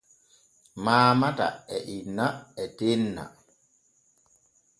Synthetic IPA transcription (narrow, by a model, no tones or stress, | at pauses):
maːmata̰ɛʔinːaɛtenːa̰